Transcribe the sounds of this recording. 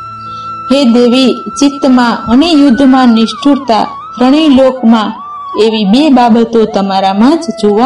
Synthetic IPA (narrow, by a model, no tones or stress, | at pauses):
ɦed̪eʋit͡ʃɪt̪mãənejʊd̪ʱːmãnɪʃʈʰuɾt̪a̰ | ɾəɽ̃ilokmã | eʋibebabət̪ot̪əmaɾamãd͡ʒd͡ʒoʋa